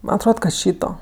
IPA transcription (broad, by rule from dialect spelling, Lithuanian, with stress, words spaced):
ˈmɐn ɐtˈroːt kɐt ˈʃʲiːtoː